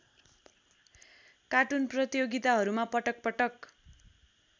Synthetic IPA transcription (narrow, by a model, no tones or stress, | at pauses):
kaʈunprʌt̪ijoɡit̪aɦʌɾumapʌʈʌk̚pʌʈʌk